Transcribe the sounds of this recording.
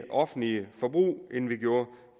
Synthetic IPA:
ʔɒ̽fn̩liəfɒ̽b̥ʁṵːe̝nʋiɡ̥jo̝ːɐ

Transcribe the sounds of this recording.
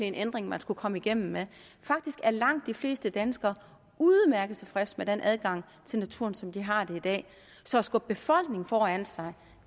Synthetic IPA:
lienʔend̥ʁeŋmænsɡ̥ukʰɒ̽məiɡ̥em̰m̩me | fɑ̈ɡ̥̚d̥isɡ̥æɐlɑ̈ŋ̰d̥ːifle̝̰ːsd̥əd̥ænsɡ̥ɐː | uðˠmæɐɡ̥ð̩ˠt͡sʰe̝fʁɛsmed̥enʔæð̞ˠɡ̥ɑ̈ŋ̰ | t͡sʰe̝lnæt͡sʰuːɐ̰nsɒ̽md̥iɦɑ̈d̥e̝id̥ɛ̰ː | sɒ̽ːsɡ̥ɔ̽b̚b̥e̝fɒ̽l̰ɡ̥ne̝ŋfɒːæn̰sɑ̈ɪ

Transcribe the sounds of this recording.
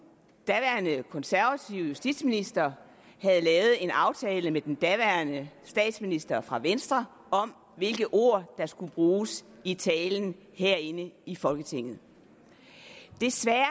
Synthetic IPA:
d̥æʋæɐnəkʰɒ̽nsæɐʋæt͡sʰiʊ̰jusd̥id̥sminisd̥ɐ | hæð̞ˠlɛːʊð̞̩ˠe̝nɑ̈ʊt͡sʰɛːləmed̥end̥æʋæɐnəsd̥ɛ̰ːd̥sminisd̥ɐfʁɑ̈ʋensd̥ʁɐ | ɒ̽m | ʋe̝lɡ̥əʔo̝̰ɐ̰d̥ɑ̈sɡ̥ub̥ʁuːs | it͡sʰɛːln̩ | heɐ̰e̝nəifɒ̽lɡ̥ət͡sʰe̝ŋ̰ð̩ˠ | d̥e̝sʋæ

